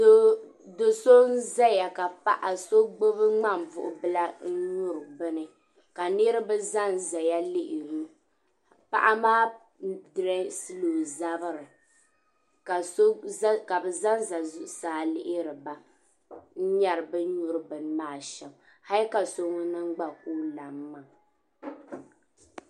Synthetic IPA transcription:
do˨so˦n̩˦za˦ja˨ka˨pa˦ʔa˨so˦ɡ͡bo˦βɨ˦ŋ͡ma˦˨m˨vʊ̰˨ʔʊ˨bɨ˦la˦n̩˦ɲu˦ɾɨ˨bɨ˦nɨ˨ | ka˨ne˦ɾɨ˦bɨ˦za˦n˨za˨ja˦lɪ˦ʔɪ˨ɾu˦ | pa̰˦˨ʔa˦maː˦ | dɾɛ˦sɨ˦lo˨za˦bɨ˦ɾɨ˨ | ka˨so˦ka˨bɨ˨za˦n˦za˨zʊ˦ʔʊ˨saː˦lɪ˦ʔɪ˦ɾɨ˨ba˨ | n̩˦ɲa˨ɾɨ˨bɨ˦ɲʊ˦ɾɨ˦bɨ˨n˦maː˦˨ʃɛ˨m | ha˦lka˨so˦ŋɔ˦nɨ˦ŋ͡m̩˦ɡ͡ba˦ku˦la˨mː˦a˨

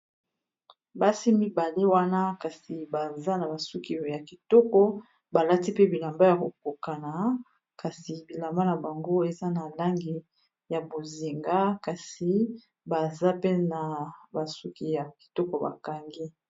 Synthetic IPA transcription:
ba˦si˦mi˦ba˨le˦wa˦na˦ka˨si˨ba˨za˦na˨ba˨su˦ki˦˨ja˨ki˨tɔ˦kɔ˦ | ba˨la˦ti˦pe˦bi˨la˨mba˦ja˨ko˨ko˨ka˨na˨ | ka˨si˨bi˨la˨mba˦na˨ba˨ŋɡo˦e˨za˦na˨la˦ŋɡi˨ | ja˨bo˨zi˨ŋɡa˦ka˨si˨ | ba˨za˦pe˦na˨ba˨su˦ki˦ja˨ki̥˨tɔ˦kɔ˨ba̰˨ka˨ŋɡi˦

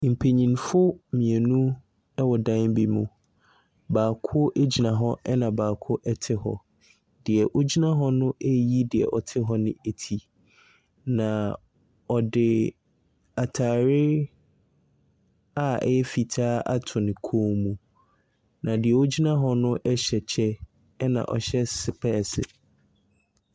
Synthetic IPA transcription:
m̩˨pʰe˨ɲĩ˨nfʊ˦mĩ˨e˨nũ˦ | ɛ˦wɔ˨dã˦n˦bi˨mṵ̃˨ | baː˨kʰʊ˦ʔe˦d͡ʑi˨nã˨ɦɔ˦ʔɛ˦nã˨baː˨kʰʊ˦ʔɛ˦tʰɪ˦hɔ̰˨ | dɪ˨ɛ˨ʔo˦d͡ʑi˦nã˦ɦɔ˦nʊ̃˦ʔɛ˦ji˦dɪ˨ɛ̰˨ʔɔ˨tʰɪ˦ɦɔ˦nɪ̃˦e˨tʰi˨ | nã˨ | ɔ˨dɪ˨ | a˨tʰaː˨ɾɪ˦ | a˦ɛ̰˦jɛ˦fi˨tʰaː˦a̰˦tʰʊ̃˨nɪ̃˨kʰoː˦mũ˨ | nã˨dɪ˨ɛ˨o˦d͡ʑi˦nã˦ɦɔ˦nʊ̃˦ʔɛ˦ɕɛ˨t͡ɕʰɛ˦ | nã̰˨ʔɔ̰˨ɕɛ˦sɪ˨pʰɛ˦˨sɪ̰˨

